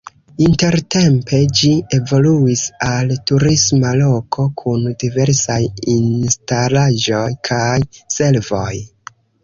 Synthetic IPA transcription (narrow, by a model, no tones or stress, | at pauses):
inte̞ɾte̞mpe̞d͡ʒie̞vo̞luisaltuɾismalo̞kʰo̞kʰundive̞ɾsajinstalaʒo̞jkʰajse̞lvo̞j